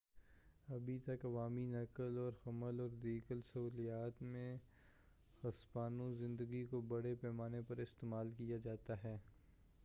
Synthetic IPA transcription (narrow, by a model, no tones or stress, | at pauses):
ɐbʱit̪ɐkɐʋaːminɐkəlɔːɾxɐməlɔːɾd̪iːkəlsɐɦuːlijaːt̪mẽ | xɐspaːnõzɪ̃nd̪əɡikobɐɽepɛːmaːnepɐɾɪst̪eːmaːlkijad͡ʒaːt̪aɦɛː